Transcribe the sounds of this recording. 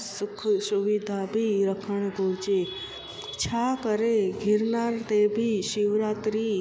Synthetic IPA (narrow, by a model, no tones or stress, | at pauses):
sukʰsuʋid̪ʱabʱiɾəkʰəɳ̃ɡʱot͡ʃe | t͡ʃʰakəɾeɡʱiɾnaɾt̪ebʱiʃiʋɾat̪ɾi